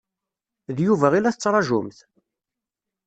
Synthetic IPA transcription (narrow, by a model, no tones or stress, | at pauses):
ðjuvæʁilæθət͡sːɾˤɑʒʊmθ